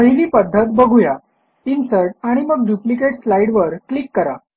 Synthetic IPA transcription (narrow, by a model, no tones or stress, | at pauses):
əɦiliːpəd̪ʱːət̪bəɡʱuja | insəɾʈ̚aɽ̃iməɡ̚d̪juplik̬eʈslaiɽʋəɾklikːəɾa